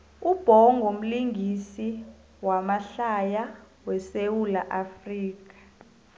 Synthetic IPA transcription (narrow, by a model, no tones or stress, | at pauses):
ub̥ʱɔŋɡʱom̩liŋɡʱisi | wamaɬaja | wɛsewulaʔafriːk̬ʼḁ